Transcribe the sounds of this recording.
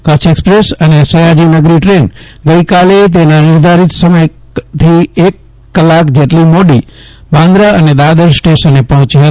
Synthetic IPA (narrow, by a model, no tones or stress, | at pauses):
kət͡ʃʰekspɾesənesəjad͡ʒinəɡɾiʈɾen | ɡəjkalet̪̬enanɪɾd̪ʱaɾit̪səməj | t̪ʰiekː | əlakd͡ʒeʈlimoɽi | bãnd̪ɾaəned̪ad̪əɾsʈeʃənepəɦə̃t͡ʃɦə